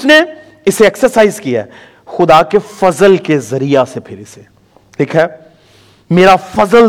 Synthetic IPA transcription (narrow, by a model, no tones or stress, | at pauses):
sne | ɪseɛːksəɾsaːizkija̰ɛ̰ | xʊd̪akefɐzəlkezɐɾijasepʰɪɾɪse | lɪkʰɛː | meːɾafɐzəl